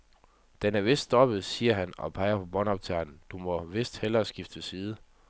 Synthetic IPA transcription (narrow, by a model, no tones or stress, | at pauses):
d̥ænæɐʋe̝sd̥sɒ̽b̥ð̩ˠsiːɐɦænɒ̽pʰɑ̈ɪɐpʰɒ̽b̥ɒ̽nɒb̥̚t͡sʰæɐnd̥umɒ̽ʋe̝sd̥helɐːsɡ̥ifd̥əsiːð̞̩ˠə